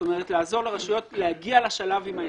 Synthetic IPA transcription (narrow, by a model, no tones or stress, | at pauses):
ome̞ʁetlaːzo̞ʁleʁaʃujo̞tlehaɡialaʃalavima